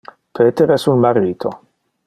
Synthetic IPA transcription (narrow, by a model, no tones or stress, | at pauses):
pʰet̪eɾɛsulmaɾiːt̪ʰo